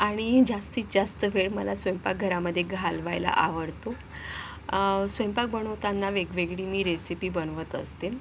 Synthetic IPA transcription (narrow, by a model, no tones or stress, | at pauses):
aɽ̃id͡zast̪iːt͡sd͡zast̪əʋeɭməlasʋempak̚ɡʱəɾaməd̪ʱːjeɡʱalʋajla̰ʔa̰ʋəɽt̪o | sʋempak̚bəɳ̃ot̪anːaʋeɡʋeɡɭiːmiːɾesipiːbənʋət̪ə̰st̪el